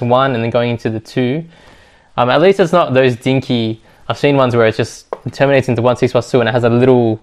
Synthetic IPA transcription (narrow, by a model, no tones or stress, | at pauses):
wʌ̃nɨ̃nðɨ̃nɡoʊɪ̃ŋɪ̃ntʰʉðɨtʰʉ | ʌ̃mətˡlistɨtsnət̪̚ðoʊzdɪ̃ŋkʰi | aɪv̥sĩnwʌ̃nzwə˞ɨt̚d̥ʒ̥ʌstn̩tʰɜ˞mɨneɪtsɪ̃ntuwʌ̃nsɪkswʌstʰʉɨ̃nɨt̚ɦɨzəlɪɾl̩ˠ